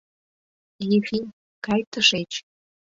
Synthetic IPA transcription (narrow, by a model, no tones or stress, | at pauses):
jefi | kɑjt̪əʃet͡ɕ